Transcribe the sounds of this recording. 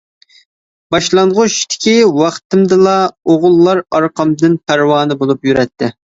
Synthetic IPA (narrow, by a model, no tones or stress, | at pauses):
bɑʃlˠɑɴʁʊʃt̪ʰɪ̥kʲʰiwɑχt̪ɨmd̪ɨlˠɑoʁʊlˠːɑɾɑɾqʰɑmd̪ɨnpʰæɾwɑːnɨbolˠupjyɾɛt̪ʰːɪ